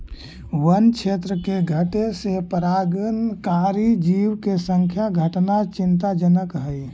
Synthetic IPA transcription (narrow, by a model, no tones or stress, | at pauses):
wənkʰet̪ɾəkeɡʱəʈesepəɾaɡənkaɾid͡ʒiwkesə̃ŋkʰjaɡʱəʈnat͡ʃɪnt̪ad͡ʒənəkɦəj